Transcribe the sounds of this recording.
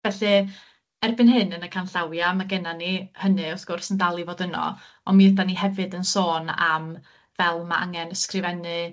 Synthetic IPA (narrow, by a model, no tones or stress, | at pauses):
vɛɬɨ | ɛrbɨnhɨnənəkʰanɬawjamaɡɛnanihənɨɔθɡ̥ʊrsəndalˠivoːdənɔ̰ | ɔnmiədaniɦɛvɨdənsoːna̰m | vɛlˠmaʔa̰ŋɛnəskrɪvɛnɨ